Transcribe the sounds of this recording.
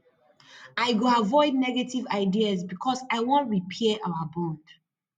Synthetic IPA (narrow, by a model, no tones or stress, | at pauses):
aɪɡoavɔɪdnɛɡetivaɪdiasbikʰɔsaɪwɔ̃ntɹipʰɛaʔawəbõd